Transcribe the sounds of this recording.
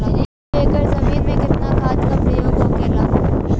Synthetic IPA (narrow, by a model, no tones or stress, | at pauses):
eːkəɾsɐmiːɾmẽkɪt̪nakʰaːd̪kapɾɐjoːɡõkela